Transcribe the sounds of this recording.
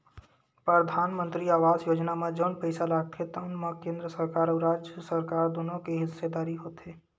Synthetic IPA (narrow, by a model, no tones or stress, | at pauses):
pɾəd̪ʱaːnmə̃nt̪ɾiaːʋaːzjoːd͡ʒnamẽd͡ʒoːnpəɪsalaːɡ̚t̪ʰet̪anmakẽːnd̪ɾəsəɾkaːɾɔːɾaːd͡ʒəsəɾkaːɾd̪oːnõkeɦɪsed̪aːɾiɦoːt̪ɦeː